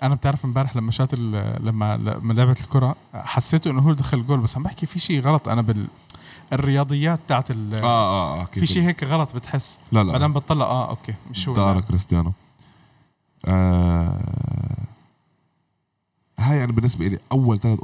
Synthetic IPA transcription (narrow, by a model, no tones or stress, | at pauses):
ʔænæb̚t̪eʕɾɑfɪmbæːɾeħlæmːæʃæːt̪ɪllæmːæ̰l̰mːæleʕbæt̪ɪlkoɾˤɑ | ħasːeːt̪uʔɪnːʊɦuːd̪æxælɡoːlbæsːænæbaħkifiʃiːɣɑlɑt̪ˤʔæ̰næbɪl | ɪrːɪjɑːd̪ˤɨjːæːt̪̚ːaːʕat̪ɪlæːʔʔfiːʃiːʔɦeːkɣɑlɑt̪ˤbɪt̪ħesːlælæmad̪æːmbɑt̪ˤːɑlːɑ̰ʔæ̰ːʔo̰kːeːmɪʃhuːɑɾɑkɾɪst̪ɪjaːno | ʔæ | hjaʕnibɪnːɪsbæʔɪleʔæwːælt̪ælæt̪ʔ